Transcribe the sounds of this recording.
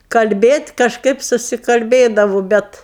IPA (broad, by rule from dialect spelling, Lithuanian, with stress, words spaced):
kɐlʲˈbʲeːtʲ kɐʃˈkɐɪp sʊsʲɪkɐlʲˈbʲeːdɐʋʊ ˈbʲɛt